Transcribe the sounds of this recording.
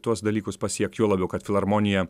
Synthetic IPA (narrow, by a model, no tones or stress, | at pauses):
t̪uɔsd̪ɐlʲiːkʊspɐsʲiɛkjuːlˠɐbʲɛʊkɐt̪fʲɪlˠɐɾmɔnʲɪjɛ